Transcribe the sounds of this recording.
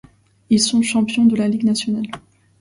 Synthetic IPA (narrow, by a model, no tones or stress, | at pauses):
ilsɔ̃ʃɑ̃pjɔ̃d̪əlaliɡnasjɔnal